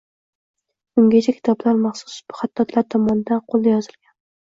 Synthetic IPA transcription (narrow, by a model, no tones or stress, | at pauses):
ʊŋɡʲat͡ʃʰakʲʰɪ̥t̪ʰɒblaɾmɑχsʊ̥sbʊ̥χat̪ːɒt̪laɾt̪ʰɒmɒnɪd̪anqʰolˠd̪ajɒzɪlˠɡʲan